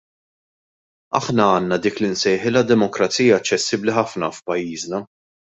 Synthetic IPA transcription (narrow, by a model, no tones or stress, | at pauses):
ɐħnɐɐːnːɐd̪iːklinsɛjħɪlɐd̪ɛmɔkɾɐt͡siːjɐːt͡ʃːɛsːɪbliħɐfnɐfpɐjːiːznɐ